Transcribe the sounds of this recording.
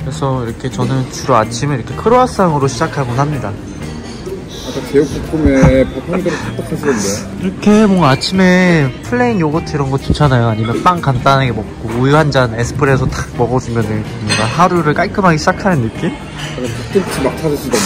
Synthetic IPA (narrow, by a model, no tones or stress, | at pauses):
kɯɾesʰʌiɾʌkʰe̞t͡ɕʌnɯnt͡ɕuɾoat͡ɕʰimɯɭiɾʌkʰekʰɯɾoas͈aŋɯɾoɕʰid͡ʑakʰaɡonɦamɲida | ak͈akeup͈ukʰumepokʰoŋdɯɾɯtat͈akʰasʰiʌnde | iɾʌkʰe̞mʌŋɡaːt͡ɕʰime̞pʰɯɭːe̞iŋjoɡʌtʰɯiɾʌnɡʌt̚t͡ɕit͡ɕʰanajoaɲimjʌnp͈aŋkant͈aneɡemʌk̚k͈oːjoɦand͡ʑane̞sʰɯ̥pʰɯɾe̞sʰʌt͈ḁk̚mʌɡʌd͡ʑumjʌndeɲikɲidaɦaɾuɾɯɭk͈ajkʰɯmaŋiɕʰid͡ʑakʰanɯnːɯk͈im | akaput͈ɯt͡ɕʰimat͡ɕʰad͡ʑɯs͈udo